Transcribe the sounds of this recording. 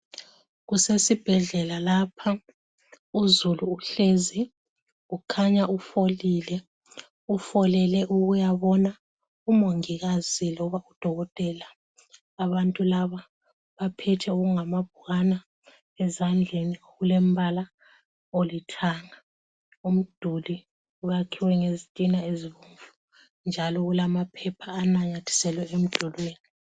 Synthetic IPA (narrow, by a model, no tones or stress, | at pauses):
ɣusesib̥ʱɛɮɛlalapʰa | uzuluːɬezi | ɣukʰaɲaufoliːlɛ | ufɔlɛlɛʔuɣujaβɔna | umoŋiɣazilɔβaud̥ʱɔɣɔtʼɛlaː | βantʼulaβa | βapʰɛtʰɛuɣuŋamab̥ʱuɣana | ɛzand͡ɮʱenioɣulembʱala | olitʰaŋa | um̩d̥ʱuli | uɣakʰiwɛŋezitʼinaeziβuɱvu | nd͡ʒʱalɔɣulamapʰɛpʰaːnaŋatʰi̥sɛlwɛem̩d̥ʱulweːni